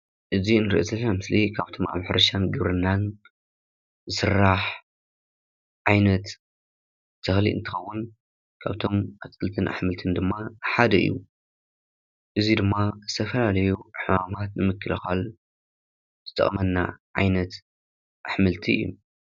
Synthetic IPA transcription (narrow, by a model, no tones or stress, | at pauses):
ʔɨziɨnɨɾḭʔozɐlnamɨslikʰaβt̪ʰo̞ma̰βħɾɐʃanɡɨβɾɨnːan | sɨɾaħ | ʕajnɐt̪ | t̪ʰɨxlḭʔɨ̰nt̪ʰɨxɐwːʊn | kʰaβt̪ʰo̞mʔat̪kʰɨlt̪ʰɨnʔa̰ħmɨlt̪ʰɨnd̪ɨmːaħad̪ɐɨ̰jːṵ | ʔɨzid̪ɨmːazɨt̪ʰɐfɐlalɐjuħɨmamat̪̚nɨmɨkʰːɨlɨxal | zɨt̪ʰʼɐ̰χʼmɐnːa̰ʕa̰jnɐt̪ | ʔaħmɨlt̪ʰiɨ̰jːṵ